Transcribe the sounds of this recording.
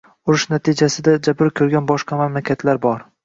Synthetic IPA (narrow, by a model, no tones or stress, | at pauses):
ʊɾʊʃnat̪ʰid͡ʒasɪd̪ad͡ʒabɾɪkʲʰɵɾɡʲanbɒʃqɑmamlakʲʰat̪ʰlaɾbɒɾ